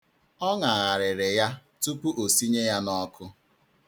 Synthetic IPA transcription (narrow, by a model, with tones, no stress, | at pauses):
ɔ˦ŋa˨ɣa˨ɾɪ˨ɾɪ˨ja˦tu˦k͡pu˦ʔo˨si˦ɲe˦ja˦nɔ˦kʰʊ˦